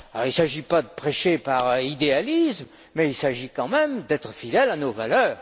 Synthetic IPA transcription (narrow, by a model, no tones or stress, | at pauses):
alɔ̰ʁilsaʒipad̪əpχeʃepaʁid̪ealism | mɛilsaʒikɑ̃mɛmd̪ɛt̪χəfid̪ɛlanovalœːʁ